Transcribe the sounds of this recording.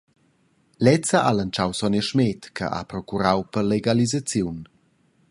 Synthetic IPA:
lɛt͡saʔalant͡ʃawsɔnɛʃmɛtkʰə̰ʔa̰pɾɔkuɾawpərleɡalizat͡sjun

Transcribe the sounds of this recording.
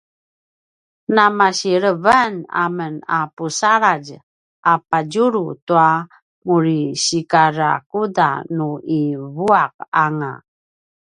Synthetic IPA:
namaɕiɾəvana̰mənapusaɾaɟ | ʔapaɟuɾutua | muɾiɕikaɾa̰kuda̰nuivuaq̚aŋa̰

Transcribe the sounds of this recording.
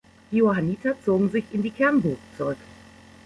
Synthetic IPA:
d̥iohaniːtʰɐt͡soːɡŋ̩zɪçɪndiːkʰɛɐnbuːxt͡suʁʏk

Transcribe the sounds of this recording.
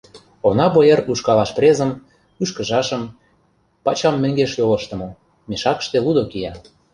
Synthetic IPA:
onɑbojeruʃkɑlɑʃprʲezə̆m | yʃkə̆ʒɑʃə̆m | pɑt͡ɕɑmːɘ̆ŋɡeʃjoləʃt̪ə̆mo | meʃɑkə̥̆ʃt̪elud̪okijɑ

